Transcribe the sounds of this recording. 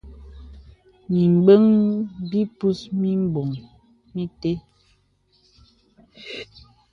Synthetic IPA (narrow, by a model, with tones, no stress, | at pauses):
mi˨m˨bə˦ŋbi˦pu˦smi˦m˦bo˨ŋ | mi˦te˦